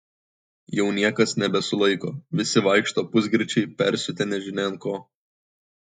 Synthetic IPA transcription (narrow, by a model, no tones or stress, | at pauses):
jɛʊnʲiɛkɐsnʲɛbʲɛsʊlˠɐɪkoːʋʲɪsʲɪʋɐɪkʃt̪oːpʊzʲɡɾʲɪt͡ʃʲɛɪpʲɛɾʲsʲʊt̪ʲɛnʲɛʒʲɪnʲɛn̚koː